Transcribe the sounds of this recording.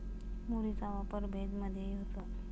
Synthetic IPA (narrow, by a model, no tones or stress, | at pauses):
muɽisaʋapəɾbʱed̪məd̪ʱjejeɦot̪ə